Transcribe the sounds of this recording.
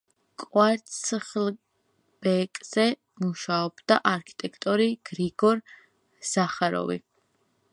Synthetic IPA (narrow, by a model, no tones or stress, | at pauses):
kʼwaɾt̪sʰχl | b̥ɛkʼz̥ɛ | muʃaɔbd̪aʔaɾkʰi̥t̪ʼɛkʰt̪ʼɔɾiɡ̥ɾiɡɔɾ | z̥aχaɾɔ̰vḭ